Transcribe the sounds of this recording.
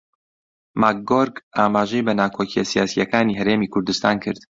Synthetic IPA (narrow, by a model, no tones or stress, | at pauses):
mak̚ɡoɾɡaːmaːʒejbɐnaːkʰoːcijɐsijaːsijɐkaːniːɦɐɾeːmiːkʰʊɾd̪ust̪aːnkʰɨ̰ɾd̪̥